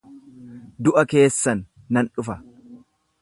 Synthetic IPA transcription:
d̪ʊʔɐke̞ːsːɐnː | ɐnᶑʊfɐ

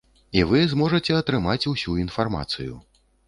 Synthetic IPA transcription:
ivɨzmɔʐɐt͡sʲɛɐt̪ɾɨmat͡sʲuwsʲuinfarma̰t̪sɨjṵ

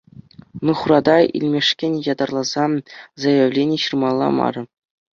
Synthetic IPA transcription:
nɯχuɾɑd̪ɑḭlʲmʲeʂkʲenʲjɑd̪ɑrlˠɑzɑzɑjĕvlʲenʲeɕɯrmɑlˠːɑ̰mɑ̰ɾɤ̆

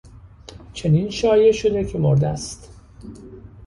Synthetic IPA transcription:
t͡ʃʰe̞ninʃɒːje̞ʃo̞d̪e̞cʰe̞moɾd̪æst̪

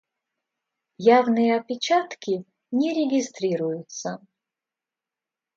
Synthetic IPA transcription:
javnɨjəɐpʲɪt͡ɕat̪kʲi | nʲɛɾʲɪɡʲɪst̪ɾʲiɾujʊt̪sə

